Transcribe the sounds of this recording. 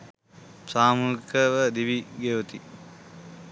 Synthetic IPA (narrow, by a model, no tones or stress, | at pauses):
saːmukəʋəd̪iʋiɡeʋɐt̪i